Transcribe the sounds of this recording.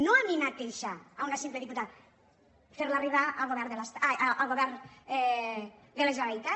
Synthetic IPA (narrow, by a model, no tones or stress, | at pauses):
noaminat̪̚ːeʃaaunasimpleðiput̪að | feɾlariβaʔalˠɣoβɛɾnðelast̪aaaʔalˠɣoβɛɾnɛd̪elezaβait̪a